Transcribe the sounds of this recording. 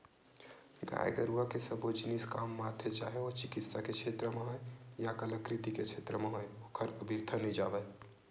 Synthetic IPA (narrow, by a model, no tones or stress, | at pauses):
ɡa̰j̰ɡəɾuakesəbod͡ʒniskamːat̪ʰjet͡ʃaɦeot͡ʃikit̪saket͡ʃʰet̪ɾəmeɦojjakələkɾit̪iket͡ʃʰet̪ɾəmeɦojokʰəɾəbʱiɾt̪ʰənid͡ʒa̰bə